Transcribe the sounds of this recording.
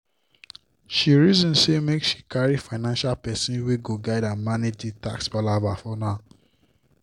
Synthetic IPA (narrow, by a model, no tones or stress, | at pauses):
ʃiɹizɔ̃nsemeksʃi̥kaɹifaɪnãnʃalpɛsĩnweɡoɡaɪdãnmanitita̰ksbalavafɔnaʊ